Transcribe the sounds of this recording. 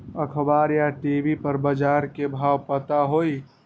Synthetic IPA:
ɐkʰbaːɾjaʈiːbipəɾbɐd͡ʒaːɾkebʱaːwpət̪aɦoːi

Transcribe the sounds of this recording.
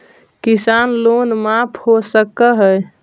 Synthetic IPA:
kisanlonmapʰhosəkəɦə

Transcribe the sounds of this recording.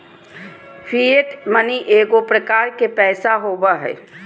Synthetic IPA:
fʰieʈməniʔeːɡopɾəkaːɾkepɛːsaɦoːbaɦɛ̰ː

